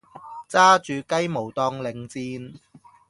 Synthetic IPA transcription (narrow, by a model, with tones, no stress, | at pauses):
t͡saː˥t͡ʃyː˨˧kɐ˥jmo˨˩wt̪ɔː˧ŋlɪ˨˧ŋt͡siː˧n